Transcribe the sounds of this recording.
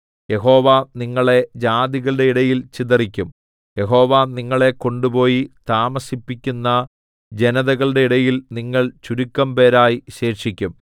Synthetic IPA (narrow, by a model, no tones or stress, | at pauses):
jeɦo̞ːʋaniŋːɐɭe̞d͡ʑaːd̪iɣɐɭɨɽe̞iɽɐjilt͡ɕiðɐrikʲːum | je̞ɦo̞ːʋaniŋːɐɭe̞ko̞ɳɖupo̞ːjit̪aːmɐsipːikʲːunːɐ | d͡ʑe̞nɐðɐɣɐɭɨɽe̞iɽɐjilniŋːɐɭt͡ɕuɾukːɐmpe̞ːɾaːjiɕeːrʂikʲːum